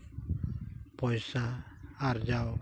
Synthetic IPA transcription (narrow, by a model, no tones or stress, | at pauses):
pɔjsaːɾd͡ʒaw